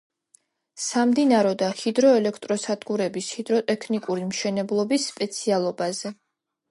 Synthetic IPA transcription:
samd̪inaɾɔd̪ahid̪ɾɔɛlɛkʰt̪ʼɾɔsad̪ɡuɾɛbishid̪ɾɔt̪ʼɛkʰnikʼuɾimʃɛnɛblˠɔbisːpʼɛt̪sʰialˠɔbazɛ

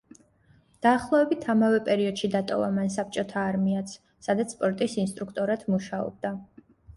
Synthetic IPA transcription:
d̪̥aːχlˠɔɛbit̪ʰamavɛpʼɛɾiɔd̪̥ʃid̪at̪ʼɔ̰va̰mans̬ap̚ʰt͡ʃʼɔt̪ʰaːɾmiat̪sʰ | sad̪at̪sʰspʼɔɾt̪ʼisinst̪ʼɾukʰt̪ʼɔɾat̪ʰmuʃaɔ̰b̚d̪a

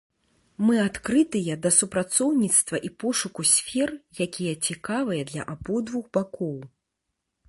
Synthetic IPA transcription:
mɨat̪kɾɨt̪ɨjɐd̪ɐsupɾat̪sɔwnʲit̪st̪vɐʔipɔʂukusʲfʲɛrjakʲijɐt͡sʲikavɨjɐd̪lʲɐ̰ʔabɔd̪vuɣbakɔw

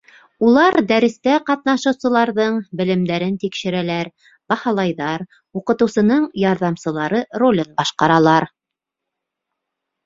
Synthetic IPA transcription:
ulˠɑɾd̪æɾɘ̆st̪æqɑt̪̚nɑʃɤ̆wsɤ̆lˠɑɾðɤɴbɘ̆lɘ̆md̪æɾɘnt̪ikʃɘ̆ɾælæɾ | b̥ɑhɑlˠɑjðɑɾ | uqɤ̆t̪ɤ̆wsɤ̆nɤɴjɑɾðɑmsɤ̆lˠɑɾɤrolʲɤnbɑʃqɑɾɑlˠɑɾ

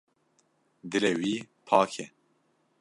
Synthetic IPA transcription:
d̪ɨɾɛwiːpʰɑːkʰɛ

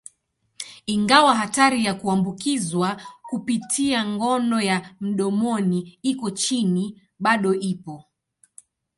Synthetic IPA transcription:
iŋɡawaɦataɾijakuambukizwakupitʰiaŋɡɔnɔjam̩ɗɔmɔniikɔt͡ʃini | ɓaɗɔʔipɔ

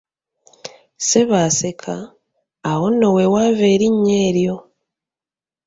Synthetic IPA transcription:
se̞βaːse̞kʰaː | wo̞nːowe̞waːve̞ːɾiɲːe̞ːɾjo̞

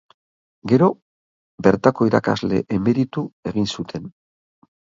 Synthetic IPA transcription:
ɡe̞ɾo̞ | be̞ɾt̪ako̞iɾa̰ka̰zle̞̰ʔeme̞ɾit̪ue̞ɣinsut̪ʰe̞n

